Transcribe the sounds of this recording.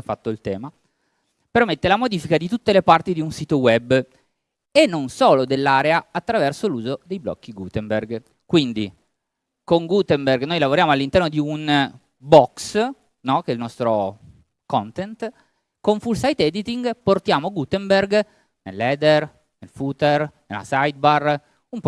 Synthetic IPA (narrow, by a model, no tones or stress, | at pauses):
fat̪ːoilt̪ɛːma | permet̪ːelamod̪iːfikad̪it̪ut̪ːelepart̪id̪iunsiːt̪owɛbː | enːonsoːlod̪elːaːɾeaat̪ːɾavɛrsoluːzod̪ejblɔ̰kːiɡut̪emberɡ | kwind̪i | koŋɡut̪ɛmberɡnojlavoɾjaːmoalːint̪ɛɾrnod̪iun | bɔks | nɔk̟eɛlnɔst̪ɾo | kɔnt̪ɛnt̪ | koɱfulsajt̪ɛd̪it̪iŋɡport̪jaːmoɡut̪emberɡ | nḛlːɛd̪er | nelfut̪ernela̰sajd̪̚bar | ump